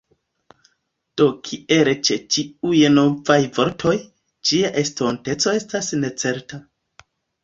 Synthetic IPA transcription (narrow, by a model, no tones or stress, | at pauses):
d̥o̞kʰiʔe̞ɾet͡ʃe̞t͡ʃiujno̞vajvo̞ɾtʰo̞j | d͡ʒiaʔe̞sto̞nte̞t͡soe̞stasne̞t͡se̞ɾta